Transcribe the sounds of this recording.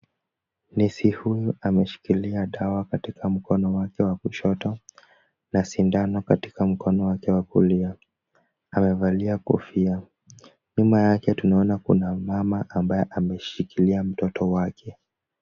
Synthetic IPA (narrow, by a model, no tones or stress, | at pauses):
nisihujuamɛʃi̥kiliaɗawakatikʰam̩kɔnɔwakɛwakuʃɔtɔ | nasindanɔkati̥kam̩kɔnɔwakɛwakṵlia | amɛvaliakɔ̰fia | ɲumajakɛtunaɔnakṵnamamaʔambajɛʔamɛʃikiliam̩tɔtɔwakʰɛ